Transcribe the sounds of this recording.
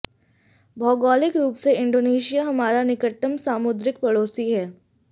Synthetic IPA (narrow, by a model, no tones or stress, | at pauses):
bʱɔːɡɔːlɪkɾuːpseɪ̃ɳɖoːneːʃijaɦɐmaːɾanɪkəʈːəmsaːmʊd̪ɾɪk̚pɐɽoːsiɦɛː